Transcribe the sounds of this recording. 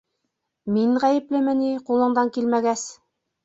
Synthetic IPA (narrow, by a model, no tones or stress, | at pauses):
miɴʁæjɘ̆plɘmɘ̆niqulˠɤ̆ɴd̪ɑŋkilmæɡæs